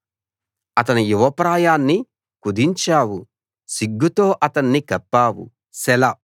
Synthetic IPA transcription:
ɐt̪ɐnujuʋɐpɾaːjaːnːi | kud̪iɲt͡ʃaːwu | siɡːut̪o̞ːʔɐt̪ɐnːikɐpːaːwṵ | sɛlɐ

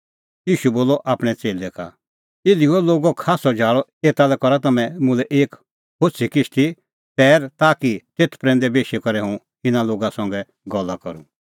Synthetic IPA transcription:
jiːʃuboːlɔʔaːpɽ̃ɛt͡seːlɛka̰ | eliuɛloːɡɔkʰaːsɔd͡ʒʱaːɭɔeːt̪alɛkɔɾat̪ɐmɛ̃mʊ̃lɛʔeːk | hosʰikɪst̪i | t̪ɛːɾt̪aːkit̪eːt̪ʰpɾɛ̃ːnd̪ɛbeːʃɛkɔɾɛɦũ | ɪnaloːɡasɔ̃ŋɡɛ | ɡɔlːakɔɾṵ̃

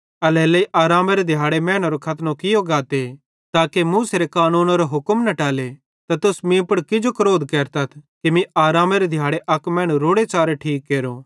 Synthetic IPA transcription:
ɐlɛːlɐiʔaːɾaːmeɾed̪ʱjaːɽemɛ̃ːɽ̃oɾokʰɐt̪nõkɪjoɡaːt̪e | t̪aːkemuːseɾekaːnuːnoɾoɦʊkəmnɐʈaːle | t̪at̪ʊsmĩpəɽkɪd͡ʒokɐɾoːd̪kɛːɾt̪ɐt̪ʰkimĩaːɾaːmeɾed̪ʱjaːɽeʔɐkmɛ̃ːɽ̃uɾoːɽet͡ʃaːɾeʈʰiːkːeːɾo

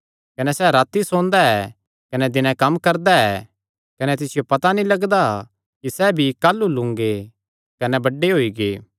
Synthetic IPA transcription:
kɐnɛsɛːɾaːt̪ːisõːnd̪aɛ | kɐnɛd̪ɪnɛ̃kɐmːkɐɾd̪aɛ | kɐnɛt̪ɪsɪjopɐt̪anĩlɐɡd̪a | kisɛːbʱikaːlːulʊ̃ŋɡe | kɐnɛbɐɖːeɦoːiɡeː

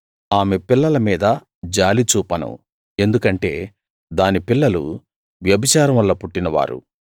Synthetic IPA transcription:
aːme̞pilːɐlɐmiːd̪ɐ | d͡ʒaːlit͡ʃuːpɐnṵ | e̞nd̪ukɐɳʈe̞̰ː | d̪aːnipilːɐlṵ | ʋjɐbit͡ʃaːɾɐmʋɐlːɐpuʈːinɐʋa̰ːɾṵ

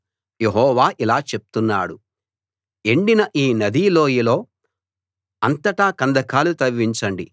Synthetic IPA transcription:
je̞ɦɔːʋaːʔilaːt͡ʃe̞pu̥t̪unːa̰ːɽu | e̞ɳɖinɐʔiːnɐd̪iːlo̞ːjilo̞ː | ɐnt̪ɐʈaːkɐnd̪ɐkaːlut̪ɐʋːiɲt͡ʃɐɳɖi

